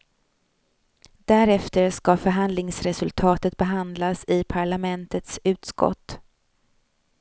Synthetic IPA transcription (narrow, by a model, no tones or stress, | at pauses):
d̪̥æɾɛft̪əɾʂkafœɾɦand̪lɪŋsɾɛsɵlt̪ʰɑːt̪ət̪̚bɛɦand̪lasɪpʰaɭamɛnt̪ət̪sʉ̟ːt̪skɔ̰t̪ː